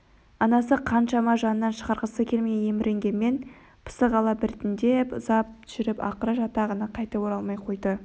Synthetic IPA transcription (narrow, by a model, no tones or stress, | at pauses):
ɑnɑs̬əqʰɑnʃɑmɑʒɑnənːɑnʃə̥ʁɑɾʁəsəkʲʰe̞lmeje̞mɪɾʔe̞ŋɡʲe̞nmːe̞n | pʰə̥səʁɑlˠɑbɪɾt̪ɪnd̪e̞pʊzɑp̚tʒ̥ɪɾɪpɑ̰qəɾəʒɑt̪ɑʁənɑqʰɑjt̪əboɾɑlˠmɑjqʰo̞jd̪ə